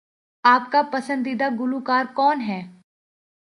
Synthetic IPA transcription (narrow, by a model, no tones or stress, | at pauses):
aːp̚kapɐsə̃nd̪id̪aɡʊlukaːɾkɔːnɦɛː